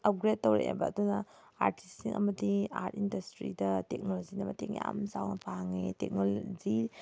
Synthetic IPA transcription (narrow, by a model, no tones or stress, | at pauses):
ɐp̚ɡɾet̚tːowɾḛḛbɐːdunɐ | a̰ɾtistikɐmɐdiaɾtindɐstɾḭdɐtek̚nolozinɐmɐteŋja̰msawnɐpʰaŋetek̚nolzi